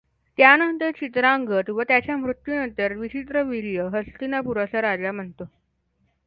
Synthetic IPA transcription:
t̪janənt̪əɾt͡ɕit̪ɾaŋɡət̪ʋət̪jat͡ɕjam̤ɾut̪junənt̪əɾʋit͡ɕit̪ɾəʋiɭijəɦəst̪inapuɾasaɾad͡zam̤əɳt̪o

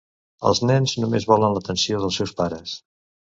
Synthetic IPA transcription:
ə̰lˠznɛnznumezβɔlənlət̪ənsioðəlˠsɛwspaɾəs

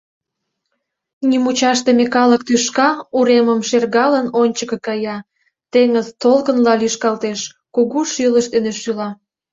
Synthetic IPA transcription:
nymut͡ɕɑʃt̪emekɑlək̚t̪yʃkɑuɾeməmʃerɣɑlənonʲt͡ɕəkəkɑjɑ | t̪eŋəzt̪olkənlɑlyʃkɑlt̪eʃ | kuɣuʃiləʃt̪eneʃylɑ

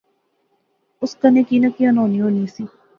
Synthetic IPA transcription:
ʊskɐnekinɐkiɐnoːnĩɦoːnisi

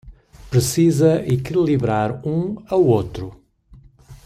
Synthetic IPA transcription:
pɾɨsizɐʔikilˠiβɾaɾũɐwot̪ɾu

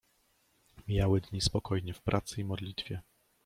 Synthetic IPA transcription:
mʲjawɘd̪ɲispɔkʰɔjɲɛfpɾʔat̪sɘimɔd̪lʲit̪fʲjɛ

